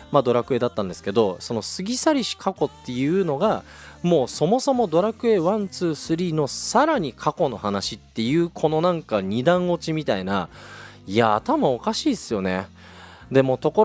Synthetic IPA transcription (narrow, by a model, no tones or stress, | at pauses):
mad̪o̞ɾakɯ̟e̞ːd̪at̪ːãnd̪e̞sɨ̥ke̞d̪o̞so̞no̞sɨɡʲisaɾʲiɕi̥kʰako̞t̪ːe̞jɯ̟ːno̞ɡa | mo̞ːso̞mo̞so̞mo̞d̪o̞ɾakɯ̟e̞ːβãnt͡sɨːsɨɾʲiːno̞saɾaɲ̟ikʰako̞no̞hanaɕit̪ːe̞jɯ̟ːkʰo̞no̞nãŋkaɲ̟id̪ãɰ̃o̞t͡ɕimʲit̪aina̰ | iaːt̪amao̞kaɕiːsɨjo̞ne̞̰ | d̪e̞mo̞t̪o̞ko̞